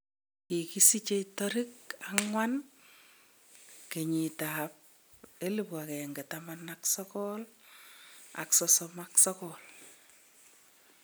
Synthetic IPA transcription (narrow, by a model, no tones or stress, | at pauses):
kikisit͡ʃetɔɾikaŋwan | keɲitap̚ | elipwakɛŋɡetamanaksɔkɔl | a̰ksɔsɔmaksɔkɔl